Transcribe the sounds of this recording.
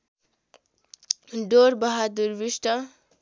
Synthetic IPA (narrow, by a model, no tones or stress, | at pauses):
ɖoɾbʌɦad̪uɾbisʈʌ